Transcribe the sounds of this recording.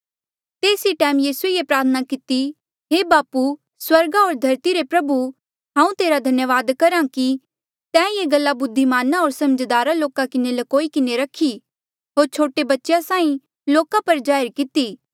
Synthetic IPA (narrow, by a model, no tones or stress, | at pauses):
t̪eːsiʈɛːmjiːsuejepɾaːɾt̪ʰənakɪt̪i | ɦebaːpu | swɐɾɡaoːɾd̪ʱɐɾt̪iɾepɾɐbu | ɦãːũt̪eːɾad̪ʱɐnjəʋaːd̪kɐɾãki | t̪ɛ̃ːjeːɡɐlːabʊd̪ʱːimaːnaoːɾsɐməd͡ʒd̪aːɾaloːkakɪnelɐkoːikɪneɾɐkʰi | ɦoːɾt͡ʃʰoːʈebɐtːʃjasãːĩ | loːkãpɐɾd͡ʒaːjɾkɪt̪iː